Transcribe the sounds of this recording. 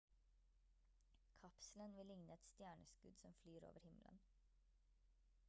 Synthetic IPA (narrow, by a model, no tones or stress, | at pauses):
kʰɑpslənʋɪlɪŋnəɛt̪st̪jæːɳəskʉd̪sɔmflyːɾo̰ːʋəɾhɪmlə̰n